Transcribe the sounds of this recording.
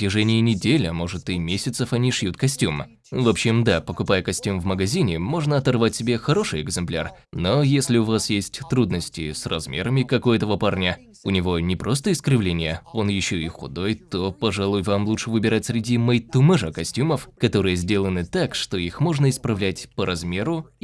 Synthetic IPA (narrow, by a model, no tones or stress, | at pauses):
tʲɪʐɛnʲɪjɪnʲɪdʲelʲəmo̞ʐɨt̪ɨmʲesʲɪt̪səfɐnʲiʂjut̪kɐsʲtʲum | vopɕːɪmd̪apəkʊpajəkɐsʲtʲumvməɡɐzʲinʲɪmo̞ʐnəɐt̪ɐrvatʲsʲɪbʲexɐɾo̞ʂɨjɛɡzɨmplʲa̰r | no̞jesʲlʲɪʊvasjesʲtʲt̪ɾud̪nəsʲtʲɪ̰srɐzmʲḛɾəmʲɪkɐko̞jət̪əvəparnʲə | ʊnʲɪvo̞nʲɪpɾʔo̞s̬t̪əɪskɾʲɪvlʲenʲɪjəo̞njɪɕːoɪxʊ̰d̪o̞jt̪o̞pɐʐalˠujvamlˠut͡ʂʂɨvɨbʲɪɾatʲsʲɾʲɪdʲiməjt̪ʊmɛʐəkɐsʲtʲuməfkɐt̪o̞ɾɨjəzʲdʲelˠənɨt̪akʂt̪o̞ixmo̞ʐnəɪspɾɐvlʲætʲpəɾɐzmʲe̞ɾʊ